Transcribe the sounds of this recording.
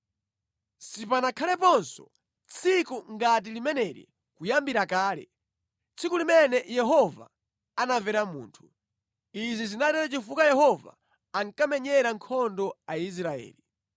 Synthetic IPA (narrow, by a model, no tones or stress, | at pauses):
sipanakʰalɛpɔnsɔ | t͡sʰikuŋɡat̬ilimɛnɛɾḭ | kujambiɾakaːlɛ̰ | t͡sʰikulimɛnɛjɛɦɔva̰ | anavɛɾamṵːntʰu̥ | izizinatɛɾat͡ʃifukajɛɦɔva̰ː | ŋkamɛɲɛɾaŋkʰɔndɔais̬ɾaɛ̰ːli